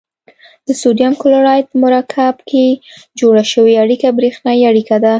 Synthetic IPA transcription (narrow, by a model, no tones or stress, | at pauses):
d̪̥əsod̪ijamkʊlʊɾɑjp̪əmʊɾɑkʰabkʰed͡ʒoɽaʃəweaɽikabɾexnɑiaɽikad̪a